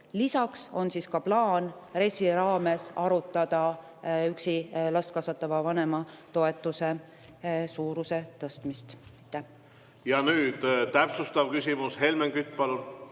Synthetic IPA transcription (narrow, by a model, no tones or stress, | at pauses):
lisɑkso̞nsiːskɑplɑːnre̞sːiɾɑːme̞sɑɾut̪ːˑɑd̪̥ɑ | yksilɑst̪̚kɑsɑt̪ːˑɑvɑvɑne̞mɑt̪o̞e̞t̪ːˑuse̞ | suːɾuse̞t̪ɤst̪mist̪t̪ːˑæ | jɑnyːd̪̥t̪æpsust̪ɑvkysʲimushe̞lmeŋkyt̪ːˑpɑlun